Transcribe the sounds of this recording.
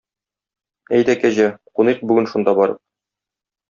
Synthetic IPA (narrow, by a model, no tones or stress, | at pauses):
æjd̪ækæʑæquniq̚bʉɡɘnʃund̪ɑbɒɾɤ̰p̚